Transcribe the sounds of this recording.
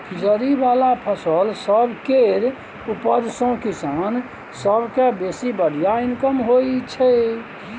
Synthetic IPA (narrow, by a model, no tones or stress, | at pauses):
pʰid͡ʒəɾibalapʰəsəlsəbkeɾ | upəɾsõkisan | səbʱkebesibəɽijainkəmɦoit͡ʃʰɛ